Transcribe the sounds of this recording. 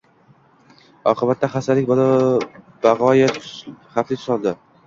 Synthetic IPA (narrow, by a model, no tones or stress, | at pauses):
ɒqʰɨbat̪ːaχasalɪk̚ʲbɒlɪ | b̥aʁɒjaχaflɪt̪ʰʊsɒlˠd̪ɪ